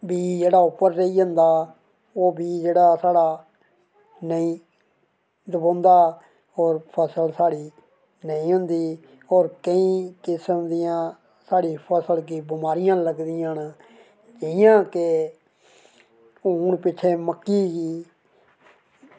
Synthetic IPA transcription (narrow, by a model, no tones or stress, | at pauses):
biːd͡ʒeːɽaːʊpːəɾːeiːə̃nd̪aː | oːbiːd͡ʒeːɽaːsaːɽaː | nəĩː | d̪əbõːnd̪aː | ɔːɾpʰəsəlsaːɽiː | nəĩːɦʊnd̪iː | ɔːɾkəĩːkɪsəmd̪ɪjãː | saːɽiːpʰəsəlkiːbɪmaːɾɪjãːləɡd̪ɪjãːnː | d͡ʒəɪjãːkɪ | unpɪt͡ʃʰeːməkːiːɡiː